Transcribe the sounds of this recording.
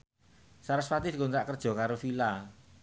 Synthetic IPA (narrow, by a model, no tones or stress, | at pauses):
saɾəsfat̪ɪdkonsaʔkərd̥ʒ̥ɔ̤kaɾofila